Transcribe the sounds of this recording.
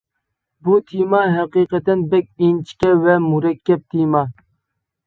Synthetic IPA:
but̪ʰimɑɦɛqiqət̪ɛnbɛk̚ʲint͡ʃʰi̥kʲɛvɛmuɾɛkʲʰːɛp̚t̪ʰimɑ

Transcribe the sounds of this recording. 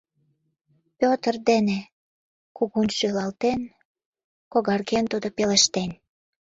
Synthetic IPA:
pʲot̪ərd̪ene | kuɣunʃølɑlt̪en | koɣɑrɣent̪ud̪opelĕʃt̪en

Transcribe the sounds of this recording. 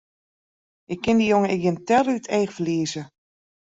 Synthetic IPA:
ʔɪkːɪndijoŋəɪɡjəntɛrytʰeːxfəliəzə

